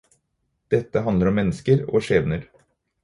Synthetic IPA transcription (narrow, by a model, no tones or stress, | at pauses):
d̪̥ɛt̪ːəɦɑnd̪əɾɔmːɛnːəskəɾo̰ːʂeːʋnəɾ